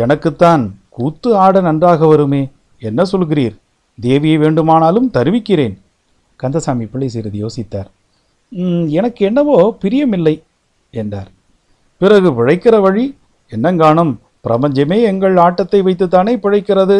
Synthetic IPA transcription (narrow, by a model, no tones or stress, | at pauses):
ɛnɐkːɯt̪ːaːnkuːt̪ːɯaːɽɐnɐndraːɣɐʋɐɾɯmeː | ɛnːɐsɔlɣɪriːɾ | d̪eːʋɪjɐɪʋeːɳɖɯmaːnaːlɯmt̪ɐɾɯʋɪkːɪreːn | kɐnd̪ɐsaːmipːɪɭːɐɪsɛjɾɐðɯjoːsɪt̪ːaːɾ | ɛnɐkːɯɛnːɐʋoːpɪɾɪjɐmɪlːɐɪ | ɛndra̰ːɾ | pɪrɐɣɯʋɪɻɐɪkːɪrɐʋɐɻi | ɛnːɐŋɡaːɳɐm | pɪɾɐpɐɲd͡ʒɐmeːɛŋɡɐɭaːʈːɐt̪ːɐɪʋɐɪt̪ːɯt̪̬ːaːneːpɪɻɐɪkːɪrɐðɯ